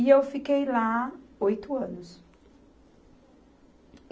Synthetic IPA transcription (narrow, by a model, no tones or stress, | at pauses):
iewfikejlaojt̪ʊɐ̃nʊs